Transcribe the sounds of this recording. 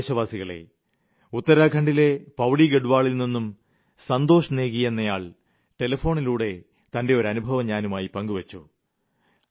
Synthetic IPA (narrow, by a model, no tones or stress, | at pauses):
ɕɐʋaːsiɣɐɭe̞̰ | ut̪ːɐɾaːkʰɐɳɖile̞pɐwɽiɡe̞ɽuʋaːɭilninːum | sɐnd̪o̞ːʂɐneːɣije̞nːɐjaːɭ | ʈelɐfo̞ːɳiluːɽe̞ | t̪ɐnde̞o̞ɾɐnubʱɐʋɐmɲaːnumaːjipɐŋɡuʋɐt͡ɕːu